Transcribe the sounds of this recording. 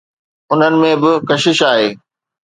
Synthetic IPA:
ʊn̤ənɪ̆mẽbɪkɐʃɪʃaːɦeː

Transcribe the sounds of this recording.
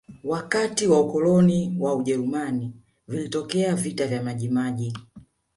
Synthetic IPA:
wakatiwaukɔlɔniwauʄɛɾumani | vilitɔkɛavitavjamaʄimaʄi

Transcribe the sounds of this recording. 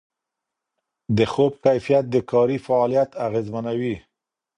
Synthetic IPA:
d̪əxob̚kajfijat̪̚d̪əkɑɾifaɑlijat̪aɣezmanawi

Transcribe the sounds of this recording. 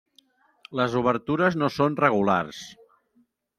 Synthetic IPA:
ləzuβəɾt̪uɾəznosonrəɣ̞ula̰rs

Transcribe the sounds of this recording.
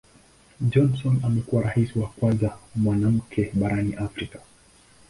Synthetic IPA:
d͡ʒɔnsɔnamɛkuwaɾahisiwakwanzamwanam̩kʰɛɓaɾaniʔafɾikḁ

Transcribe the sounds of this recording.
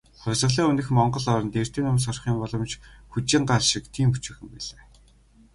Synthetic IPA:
χœwʲɮʁə̆ɮiːŋunɘ̆xmɔɴɢɞ̆ɮɔɾɞ̆nt̪er̥t̪ʰiːnʊms̬ɔrχiːmpɔɮɞ̆mt͡ɕxut͡ɕɪ̆ɴɢaɮʃɪ̆kt̪ʰiːmput͡ɕɪ̆ːxɘ̆mpæɮeː

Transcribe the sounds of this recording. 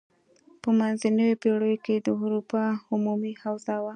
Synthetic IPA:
pəmanzanəwepeɽəjoked̪əuɾupɑʊmumihawzawa

